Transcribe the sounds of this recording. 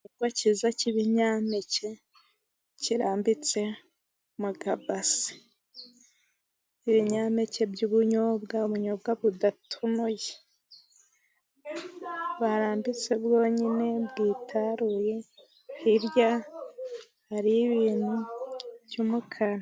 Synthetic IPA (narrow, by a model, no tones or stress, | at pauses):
ɡwacizaciβiɲaːmece̞ | ciɾaːmbit͡se̞ | muɡabasi̥ | iβiɲaːmece̞bjuβuɲobɡaβuɲob̚ɡaβudatʰunuje | βaɾaːmbit͡se̞bɡo̞ːɲine̞bɡiːtʰaɾuje̞ | hiɾja | haɾiβiːnhubjumukʰan